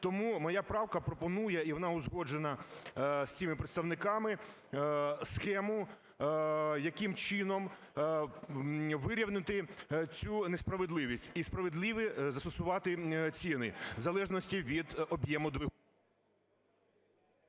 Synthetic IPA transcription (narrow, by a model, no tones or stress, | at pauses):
t̪ɔmumɔjɑpɾɑwkɐpɾɔpɔnujɛiʋɔnɑʊzɦɔd͡ʒenɐ | sʲt͡sʲimɪpɾet̪st̪ɐʋnɪkɑmɪ | sxɛmʊ | jɐkɪmt͡ʃɪnɔm | ʋɪɾʲiwnɪt̪ɪt͡sʲunespɾɐʋed̪lˠɪʋʲisʲtʲispɾɐʋed̪lˠɪʋɪzɐst̪ɔsʊʋɑt̪ɪt͡sʲinɪzɐlˠɛʒnɔsʲtʲiʋʲid̪ɔbjɛmʊd̪ʋɪ